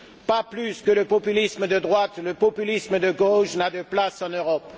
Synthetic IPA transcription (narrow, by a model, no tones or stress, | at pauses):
paplyskələpɔpylisməd̪əd̪ʁwat̪ləpɔpylisməd̪əɡoʃnad̪əplasɑ̃nøʁɔp